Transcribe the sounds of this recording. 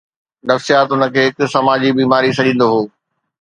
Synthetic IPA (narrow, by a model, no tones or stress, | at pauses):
nɐfsijaːt̪ʊnə̆kʰeːɦɪksɐmaːd͡ʑibiːmaːɾisɐʄĩːnd̪oɦoː